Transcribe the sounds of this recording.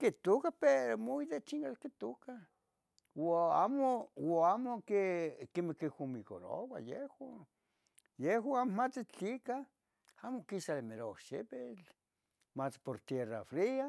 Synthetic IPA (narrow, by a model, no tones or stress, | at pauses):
kit̪okapeɾomoit̪et͡ʃiŋkalkit̪oka | waa̰mowoamokekimekihumiko̰ɾo̰wa̰jehwa | jeɦwaamomat͡sɪt͡ɬika | amokisalemeɾo̰ʃepet͡ɬ | mat͡spoɾt̪jera̰fɾia